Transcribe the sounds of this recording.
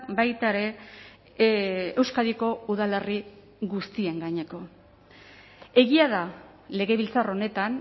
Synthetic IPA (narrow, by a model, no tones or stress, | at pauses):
bajt̪aeɾe̞ | ewskaðiko̞uðale̞ri | ɣust̪ie̞ŋɡaɲe̞ko̞ | e̞ɣiaða | le̞ɣe̞βilt͡saro̞ne̞t̪an